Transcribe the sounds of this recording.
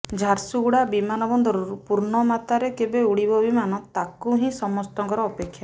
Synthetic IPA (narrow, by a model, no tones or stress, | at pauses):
d͡ʒʱaɾsuɡuɽabimanɔbɔnd̪ʱɔɾuɾupuɾɳɔmat̪aɾekebeuɽibɔbimanɔt̪akuɦĩsɔmɔst̪ɔŋkɔɾɔːpekʰːja